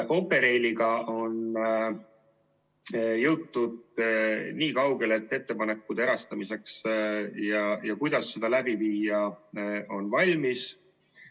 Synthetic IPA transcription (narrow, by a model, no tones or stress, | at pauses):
ʔo̞pːe̞ɾe̞jliɡɑo̞n | jɤwt̪ːud̪̚ | niːkɑwɡe̞le̞t̪ːˑe̞t̪ːe̞pɑne̞kːud̪̥eɾɑst̪ɑmise̞ksjɑjɑkujd̪̥ɑsːe̞d̪̥ɑlæbiviːjɑʔo̞nvɑlʲmis